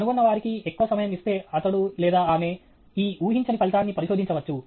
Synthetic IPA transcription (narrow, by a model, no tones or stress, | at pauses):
nuɡunːɐʋaːɾikiekːuʋɐsɐmɐjɐmist̪e̞ːɐt̪ɐɽulɛːd̪aːaːme̞ | iːuːɦiɲt͡ʃɐnipɐlit̪aːnːipɐɾiʃo̞ːd̪iɲt͡ʃɐʋɐt͡ʃːu